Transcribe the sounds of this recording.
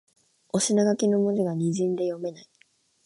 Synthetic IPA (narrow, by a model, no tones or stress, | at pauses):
o̞ɕinaɡakʲino̞mod͡ʑiɡaɲ̟iʑĩnd̪e̞jo̞me̞nai